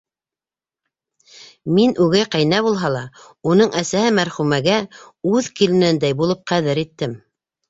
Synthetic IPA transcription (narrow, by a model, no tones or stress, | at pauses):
minʔʉɡæjqæjnæβulˠɦɑlˠɑ | un̪ɤɴʔæsæhɘmæɾχʉmæɡæʉðkilɘ̆nænd̪æjbulˠɤp̚qæðɘɾit̪ːɘm